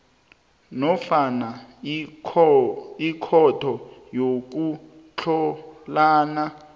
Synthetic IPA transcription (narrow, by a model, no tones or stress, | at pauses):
nɔfana | ikʰɔtʰɔjok̬u | t͡ɬʰɔlaːna